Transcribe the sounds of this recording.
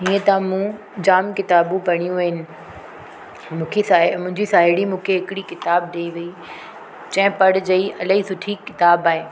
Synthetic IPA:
ɦiːə̃t̪ãmũː | d͡ʑaːmkɪt̪aːbũpɐɽ̃ijũɐɦɪnɪ̆ | mũːkʰeamʊ̃ɦɪ̃ɲd͡ʑisaːɦɪɽimũːkʰeɦɪkɪɽikɪt̪aːb̚d̪eiʋii | t͡ɕɐ̃ɦɪ̃pɐɽɪd͡ʑɐiʔɐləisʊʈʰikːɪt̪aːbaːɦeː

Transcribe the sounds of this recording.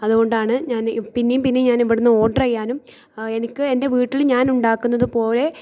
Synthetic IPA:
ɐðuɣo̞ɳɖaːɳɨɲaːnpinːejumpinːeɲaːniʋiɽunːɨo̞ːɖɐrɐjːaːnum | e̞nikʲːɨe̞nde̞ʋiːʈːilɲaːnuɳɖaːkːunːɐðɨpo̞ːle̞

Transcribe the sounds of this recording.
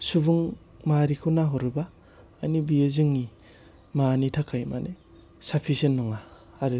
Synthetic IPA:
subuŋ | maɾikʰunaɦɔɾɯbaː | jnibiezɯŋːi | manitʰakʰajma̰ne | sapʰisenːɔŋaː | ɾɯ

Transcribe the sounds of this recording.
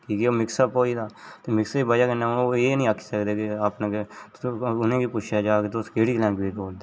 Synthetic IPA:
kiːkeːoːmɪksapoːiːd̪aːt̪eːmɪksiːbəd͡ʒaːkənːẽːeːnəĩːəkʰi̥səkd̪eːkɪapnãke | ʊnẽːkiːpʊt͡ʃʰjaːd͡ʒaːket̪oskeːɽiːklɛ̃ːŋɡʋiːɾboːld̪eː

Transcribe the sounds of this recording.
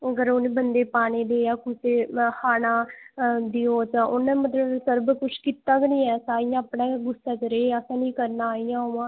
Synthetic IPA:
əɡəɾoːnĩːbənd̪eːpaːneːd̪eːjaːkʊseːhʰaːnãːd̪ioːt͡ʃãːʔʊnãːmət̪ləbsəɾbkʊt͡ʃʰkiːt̪ːaːknĩːɛːsaːijãaːpɳãːɡʊsaːt͡ʃɾeːəsãːnĩːkəɾnaːaːijãːɦʊãː

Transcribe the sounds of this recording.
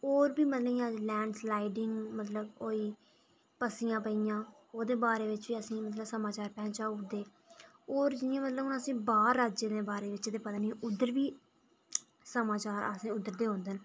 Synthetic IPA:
oːɾbiːmət̪ləijãːd͡ʒlɛ̃ːɳɖslaːɪɖɪŋɡmət̪ləboːiː | pəsiːjãːpəijãː | oːd̪eːbaːɾeːʋɪt͡ʃʋiːəsĩːmət̪ləbsəmaːt͡ʃaːɾpɛ̃ːt͡ʃaːd̪eː | oːɾd͡ʒɪnjãːmət̪ləbʊnəsĩːbaːɾːaːd͡ʒeːd̪eːbaːɾeːʋɪt͡ʃːd̪eːpət̪aːnĩːʔʊd̪ːəɾʋiː | səmaːt͡ʃaːɾə̰sĩːʊd̪ːəɾd̪eːɦõːnd̪en

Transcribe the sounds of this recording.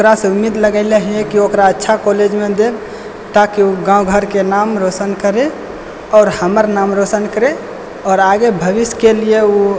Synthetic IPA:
okɾaseumːid̪ləɡəɪleɦekiokɾaətːʃʰakoled͡ʒmẽd̪eb | t̪akiuɡãuɡʱəɾkenamɾosənkəɾe | ɔːɾhəməɾnamɾosənkəɾe | ɔːɾaɡebʱəʋiskelijeu

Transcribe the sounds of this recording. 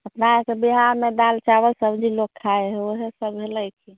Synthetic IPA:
əpnaesebiɦaɾmed̪alt͡ʃabəlsəbd͡ʒʱilokkʰːaeɦoɦesəbɦeləjkʰi

